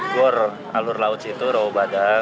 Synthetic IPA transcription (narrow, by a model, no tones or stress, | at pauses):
ɡʊr | a̰lʊrlaʊt͡ʃ̪it̪uɾaobada